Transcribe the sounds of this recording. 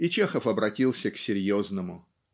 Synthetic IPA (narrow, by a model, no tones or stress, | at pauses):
it͡ɕexəfɐbɾɐtʲilˠsʲəksʲɪɾʲjoznəmʊ